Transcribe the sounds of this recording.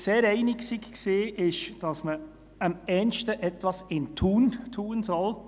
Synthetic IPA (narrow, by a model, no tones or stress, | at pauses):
seːɾɛɪnɪksikkseːʔɪʃd̥ɑsmə | əmɛnʃtəʔɛtʋɑsɪntʰuːntʰuːənsɔl